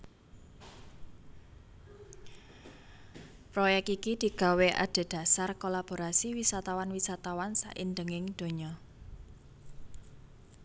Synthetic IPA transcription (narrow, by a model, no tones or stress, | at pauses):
pɾɔjɛk̚t̪ikid̪̥i̤ɡ̥a̤weʔa̰ɖ̪̥e̤d̪̥ä̤sarkolab̥o̤ɾasiwisat̪awanwisat̪awansa̰ʔind̪əŋɪŋd̪̥o̤ɲɔ